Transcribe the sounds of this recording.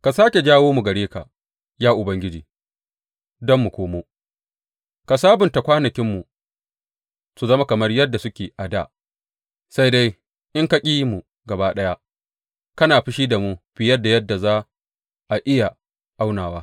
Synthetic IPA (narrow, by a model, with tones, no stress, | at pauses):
ka˨saː˦kʲe˨d͡ʒaː˦woː˦mu˨ɡɐ˨ɽeː˦ka̰˨ | jaː˦ʔʊ˨bɐ˦ŋɡʲɪ˦d͡ʒiː˨ | dɔ˦mːu˨kʷoː˦moː˦ | ka˨saː˦bʊ˨nta˨kʷaː˦nɐ˨kʲɪ˦mːu˨ | su˨zɐ˦ma˦kɐ˨mɐ˦rjɐ˦dːa˨sʊ˦kʲeː˨ʔa˨daː˦˨ | sa˦jda˦j | ʔɪ˦ŋka˦kʲʼiː˦jmu˨ | ɡɐ˨baː˦ɗɐ˦ja˦ | kɐ˦naː˨ɸi˦ʃiː˦da˨mu˦ɸɪ˨jɐ˦da˨jɐ˦dːa˨zaː˦ | ʔa˨ʔɪ˦ja˨ | ʔa˦wnaː˨waː˦